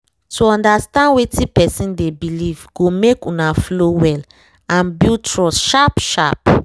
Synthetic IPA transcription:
tuɔ̃ndastãndwetĩpɛsĩndebilivɡomekũnaflowɛl | ãnbiltʰɹɔsʃapʃap

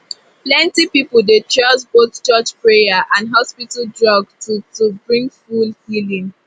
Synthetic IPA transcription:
plɛ̃ntipipəl̩ˠdet͡ʃɔsbott͡ʃɔt͡ʃpɹejəʔãndɦɔspitəldɹɔɡtutubɹĩŋfulhilĩŋ

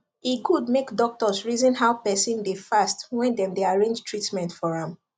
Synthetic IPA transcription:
ikudmekdɔk̚tɔsɹizɔ̃nɦaʊpɛsĩndefastwɛ̃ndɛ̃mdeaɹẽnd͡ʒtɹitmɛ̃ntfɔɹãm

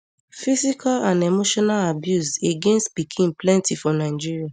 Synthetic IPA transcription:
fizikalãnemoʃɔnalabjuseɡẽnstpikʰĩnplɛ̃ntifɔnaɪd͡ʒiɹia

